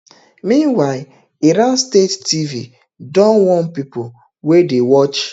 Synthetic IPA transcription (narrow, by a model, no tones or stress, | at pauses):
mĩnwaɪ | iɾanstetːivi | dɔ̃nwɔ̃npipo | wedewɔt͡ʃ